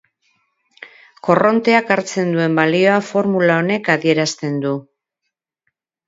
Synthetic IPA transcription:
ko̞ro̞nt̪e̞akaɾt͡se̞nd̪ue̞mbalio̞afo̞ɾmulao̞ne̞kaðie̞ɾast̪e̞nd̪u

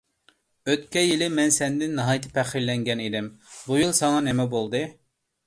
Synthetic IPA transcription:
øt̪kʲɛjilɪmɛnsɛnd̪ɪnːɨɦɑjt̪ʰɨ̥pʰɛχilːɛŋɡʲɛnid̪ɪmbujɨlˠsɑŋɑnɪmɛbolˠd̪ɨ

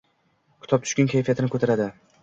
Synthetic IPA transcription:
kʰʊ̥t̪ʰɒp̚t̪ʰʊ̥ʃkʲankʲʰajfijat̪ɪnɪkʰot̪ʰaɾad̪ɪ

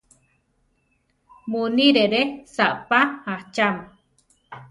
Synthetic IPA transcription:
muniɾeɾesaʔpahaht͡ʃam

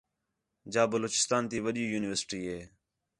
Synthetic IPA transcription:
d͡ʒaːbəloːt͡ʃɪ̥st̪aːnt̪iːʋəɗiːjuːnɪʋəɾsɪ̥ʈiːɦeː

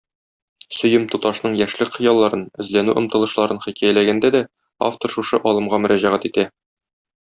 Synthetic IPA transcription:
sɵ̆jɘmt̪ut̪ɑʃnɤɴjæʃlɘkχɤ̆jɑlˠːɑɾɤnɵ̆zlænʉʔɤ̆mt̪ɤ̆lˠɤ̆ʃlˠɑɾɤnχikæjælæɡænd̪æd̪æ | a̰ft̪oɾʃuʃɤʔɒlˠɤ̆mʁɑmɵ̆ɾæʑæʁæt̪it̪æ

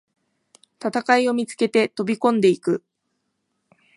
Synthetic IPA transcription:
t̪at̪akaio̞mʲit͡sɨ̥ke̞t̪e̞t̪o̞bʲikõ̞nd̪e̞ikɯ̟

